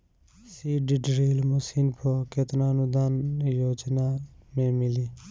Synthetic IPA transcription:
siːɖɪɖɾiːlmʊsiːnpʰoket̪naənʊd̪aːnjoːd͡ʒnamẽmɪliː

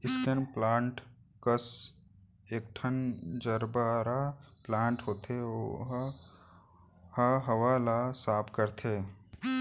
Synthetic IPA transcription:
ɪskənplãːɳʈ | kəs | eːk̚ʈʰənd͡ʒəɾbaɾaplãːɳʈɦoːt̪ʰeo | haɦəʋaːlasaːpkəɾt̪ʰeː

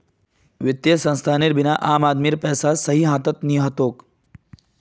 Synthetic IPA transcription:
ʋɪt̪jesɐ̃nst̪ʰaːniɾbɪnaʔaːmaːd̪miɾpɛːsasɐɦiɦãːt̪ɐt̪niɦɐt̪oːk

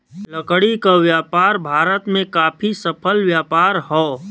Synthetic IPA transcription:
ləkɽikaʋjaːpaːɾbʱaːɾət̪mẽkaːpʰisəpʰəlʋjaːpaːɾhɔː

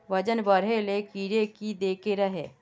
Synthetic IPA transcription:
ʋɐd͡ʒənbɐɾelekiːɾekid̪eːkeɾɐɦeː

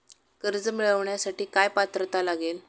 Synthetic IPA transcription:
kəɾd͡zəmiɭəʋɳjasaʈiːkajpat̪ɾət̪alaɡel

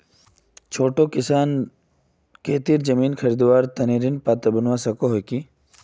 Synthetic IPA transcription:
t͡ʃʰoːʈokɪsaːn | keːt̪iːɾd͡ʒɐmiːnkʰɐɾiːd̪ʋaːɾt̪ɐniːɾinpaːt̪ebɐnʋasɐkoɦoki

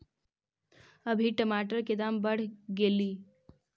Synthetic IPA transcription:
əbʱiʈəmaʈ̬əɾked̪ambəɽ̤ɡeliː

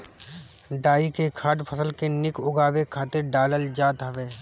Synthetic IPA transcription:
ɖaːikekʰaːʈpʰəsəlkenɪkʊɡaːʋekʰaːt̪ɪɾɖaːləld͡ʒaːt̪ɦɐʋeː

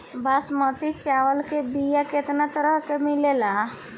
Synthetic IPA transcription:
basmət̪it͡ʃawəlkebijaket̪nat̪əɾəɦkemilela

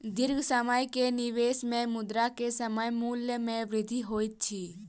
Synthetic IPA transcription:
d̪ɪɾɡsəməjkenɪʋeːsmẽmʊd̪ɾakesəməjmuːljəmẽʋɾɪd̪ʱːiɦoːit̪̚t͡ʃʰiː

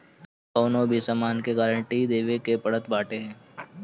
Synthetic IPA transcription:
kɔːnobʱisəmaːnkeɡaːɾəɳʈid̪eːʋekepəɽət̪baːʈeɦɛ̃ː

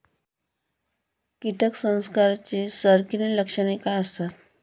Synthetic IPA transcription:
kiʈəksə̃w̃skaɾt͡sesəɾkineləkʂəɽ̃ekajəst̪at̪̚

